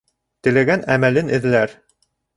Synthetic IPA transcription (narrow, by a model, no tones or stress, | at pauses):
t̪ɘ̆læɡænæmælɘnɘ̆ðlæɾ